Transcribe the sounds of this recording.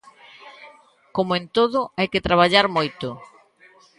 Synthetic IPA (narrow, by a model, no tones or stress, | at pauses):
komoẽnt̪oðʊajkɪt̪ɾaβ̞aʎaɾmojt̪ʊ